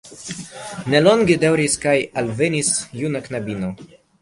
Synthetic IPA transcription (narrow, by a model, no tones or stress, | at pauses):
neloŋɡed̪awɾiskajalvenisjunaknabino